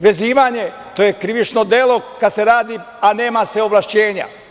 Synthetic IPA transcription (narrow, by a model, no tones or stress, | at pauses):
ʋe̞ziːʋaːɲe̞ | t̪ojekɾiʋit͡ʃno̞d̪elˠo̞kad̪seɾaːd̪i | ane̞ːmaseo̞ʋlˠaʃt͡ɕeːɲa̰